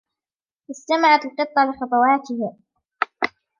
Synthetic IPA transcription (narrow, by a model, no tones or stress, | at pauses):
ʔɪst̪amaʕat̪lqɨt̪ˤːɑlɪxɑt̪ˤɑwɑːt̪ɪh